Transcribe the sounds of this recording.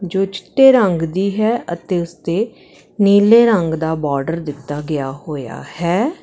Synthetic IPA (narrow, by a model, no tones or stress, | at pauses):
d͡ʒoːt͡ʃɪ̥ʈːeːɾəŋɡd̪iːɦɛːət̪eːʊst̪eː | niːleːɾəŋɡd̪aːbɔːɾɖəɾd̪ɪt̪ːaːɡɪjaːɦoːja̰ːhɛː